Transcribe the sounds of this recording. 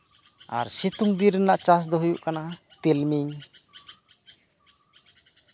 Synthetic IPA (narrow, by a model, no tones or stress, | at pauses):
a̰ɾsit̪uŋd̪iɾɯnaʔt͡ʃas̬d̪ɔɦujuʔkana | t̪ilmiŋ